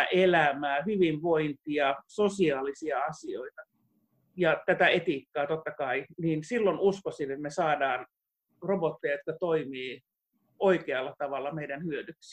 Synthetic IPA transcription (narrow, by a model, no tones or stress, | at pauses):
ʔelæmæːhyʋiʋʋoint̪iɑsosiɑːlisiɑɑsioit̪ɑ | jɑt̪æt̪æet̪iːkːɑːt̪ot̪ːɑkɑiniːnsilːonuskosinet̪mesɑːdɑːn | robot̪ːejɑjot̪̚kɑt̪oimiː | oikeɑlːɑt̪ɑʋɑlːɑmeidænhyødyksi̥